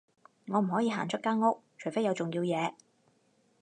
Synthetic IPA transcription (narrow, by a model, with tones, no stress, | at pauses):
ŋɔː˨˧m̩˨˩ɦɔː˨˥jiː˨˧ɦaː˨˩nt͡ʃʰɵ˥t̚kːaː˥nŋʊ˥k̚t͡ʃʰɵ˨˩fe˥jɐ˨˧wt͡sʊ˨ŋjiː˧wjɛː˨˧